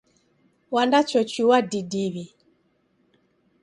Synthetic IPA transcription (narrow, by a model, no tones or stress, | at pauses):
wandat͡ʃɔt͡ʃiwadidiβi